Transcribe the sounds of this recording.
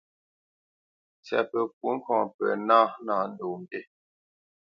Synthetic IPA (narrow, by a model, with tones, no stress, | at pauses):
t͡sja̰˨pə˨k̚u˦ŋ̩˦kɔ̃˨pɛ̰˨na˦naː˨n̩˦do˨m̩˨te˦